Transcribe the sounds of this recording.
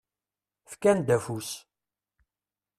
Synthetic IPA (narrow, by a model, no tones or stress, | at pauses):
fkænd̪æfus